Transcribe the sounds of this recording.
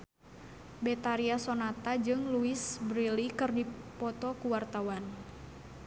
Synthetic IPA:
bɛt̪aɾiasonat̪ad͡ʒɨŋluɪsbɾilikɨrdipɔt̪ɔkuwart̪awan

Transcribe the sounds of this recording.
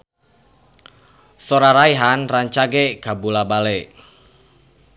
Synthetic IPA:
soɾaɾaiɦanraɲt͡ʃaɡeɡ̥a̤bulabale

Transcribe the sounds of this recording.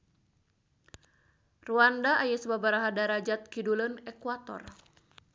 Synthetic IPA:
ruandaʔajasəbabaɾaɦadaɾad͡ʒat̪̚kidulənɛkuat̪ɔ̰r

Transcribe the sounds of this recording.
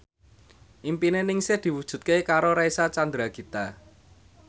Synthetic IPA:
ʔimpinenɪŋsed̪̥i̤wud̥ʒ̥ṳt̪̚kekaɾoɾaisat͡ʃand̪ɾaɡ̥i̤t̪a

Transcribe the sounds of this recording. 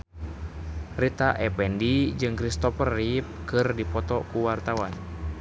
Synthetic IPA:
rit̪aʔɛpɛndid͡ʒɨŋkɾist̪ɔfərip̚kɨrdipɔt̪ɔkuwart̪awan

